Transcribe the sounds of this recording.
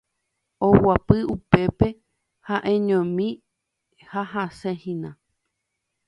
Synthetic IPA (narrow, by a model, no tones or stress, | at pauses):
owapɨupe̞pe̞ | haʔẽɲõmĩ | haɦasẽhĩnã